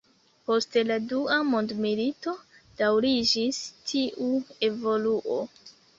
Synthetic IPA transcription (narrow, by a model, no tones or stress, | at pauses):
po̞ste̞laduamo̞ndmilito̞ | d̥awɾid͡ʒistʰiʔue̞vo̞luʔo̞